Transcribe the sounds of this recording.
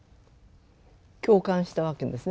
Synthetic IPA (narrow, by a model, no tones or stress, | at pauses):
kʲo̞ːkãɰ̃ɕi̥t̪aβakend̪e̞sɨn